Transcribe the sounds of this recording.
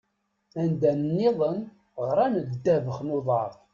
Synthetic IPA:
ænd̪ænənːɪðˤən | ʁɾˤænədd̪ːævəχnuðˤɑɾˤ

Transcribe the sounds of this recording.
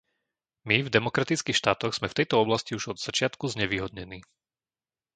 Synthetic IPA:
mivd̪ɛmɔkɾat̪it͡skiːxʃt̪aːt̪ɔɣz̥mɛft̪ɛjt̪ɔɔblasciuʒɔd̪z̥at͡ʃɪat̪kuzɲɛʋiːɦɔd̪ɲɛniː

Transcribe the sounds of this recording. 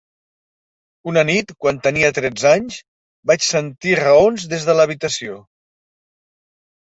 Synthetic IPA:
unənit̪kwant̪əniət̪ɾɛd͡zaɲs | bat͡ʃsənt̪irəonzðezðələβ̞it̪əsio

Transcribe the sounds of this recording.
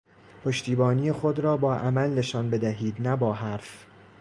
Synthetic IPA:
pʰoʃt̪iːbɒːnijexod̪ɾɒːbɒːʔæmælne̞ʃɒːnbe̞d̪æɦiːd̪næbɒːɦæɾf

